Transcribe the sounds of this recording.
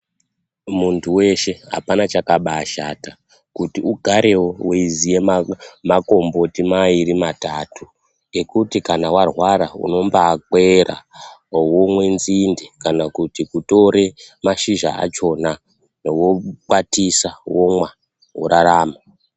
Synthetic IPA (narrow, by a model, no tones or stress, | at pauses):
muntʰuwe̞ʃe̞ɦa̰panat͡ʃakaɓaʃata | kutiuɡʱaɾe̞wo̞weizijemako̞mbo̞timaiɾimataːtʰu | e̞kutikanawarwaɾaṵno̞mbaːke̞ɾa̰womwenzindekanakutikuto̞ɾe̞maʃiʒa̰a̰t͡ʃo̞na | newo̞k͡patisawomwa | wṵɾaɾaːma